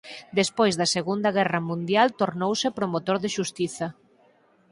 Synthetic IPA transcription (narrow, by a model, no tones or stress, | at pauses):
d̪espojzðɐseɣund̪ɐɣɛrɐmũnd̪jalt̪oɾnowsɪpɾomot̪oɾðɪʃust̪iθɐ